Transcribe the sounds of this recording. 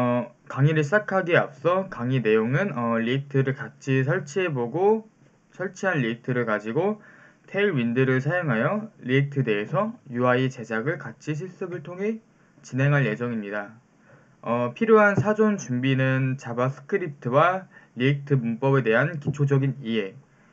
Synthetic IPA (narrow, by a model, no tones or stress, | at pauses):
ʌ | kaŋiɾɯɭss͈akʰaɡiap̚s͈ʌkaŋine̞joŋɯnʌʎik̚tʰɯɾɯɭkat͡ɕʰis̬ʰʌɭt͡ɕʰiɦe̞boɡo | sʰʌɭt͡ɕʰiɦanʎik̚tʰɯɾɯɭkad͡ʑiɡo | tʰeiɭɥindɯɾɯɭsʰajoŋɦajʌʎiːk̚tʰɯde̞ɦːsʰʌjuait͡ɕe̞d͡ʑaɡɯɭkat͡ɕʰiɕ̬ʰiɭs͈ɯbɯɭtʰoŋɦe̞ | t͡ɕinɦeŋɦaɭje̞d͡ʑʌŋimɲida | ʌpʰiɾjoɦansʰad͡ʑont͡ɕumbinɯnt͡ɕabas͈ʰɯ̥kʰɯɾip̚tʰɯwaʎik̚tʰɯmunp͈ʌbe̞de̞ɦankit͡ɕʰod͡ʑʌɡiniɦe